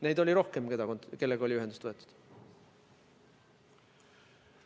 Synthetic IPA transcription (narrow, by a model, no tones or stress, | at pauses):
ne̞jd̪olʲiɾo̞hke̞mked̪ɑonke̞lːeɡ̥ɑo̞lʲiyɦed̪ust̪vɤ̞e̞t̪ːˑu̥d̪̥